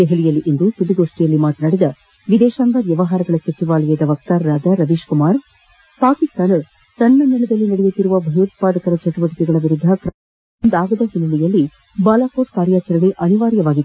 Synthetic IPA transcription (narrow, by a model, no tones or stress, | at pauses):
d̪ɛɦɛɭijɐlːiʔind̪usud̪iɡoːʂʈijɐlːimaːt̪ɐnaːɽid̪ɐ | ʋid̪ɛːʃaːŋɡaʋjɐʋɐɦaːɾɐɡɐɭɐsɐt͡ʃiʋaːlɐjɐd̪ɐʋɐk̚t̪aɾːaːd͡ʒɐɾɐʋiːʃkumaːɾ | paːkist̪aːn | sɐnːɐnɐɭɐd̪ɐlːinɐɽɛjut̪ːiɾuʋɐbʱɐjut̪̚paːd̪ɐkɐɾɐt͡ʃɐʈuʋɐʈikɛɡɐɭɐʋiɾud̪ʱːɐkɾ | nd̪aːɡɐd̪ɐɦinːɐlijɐlːi | baːlaːkoːʈkaːɾjaːt͡ʃɐɾɐɳeʔɐniʋaːɾjɐʋaːɡit̪ː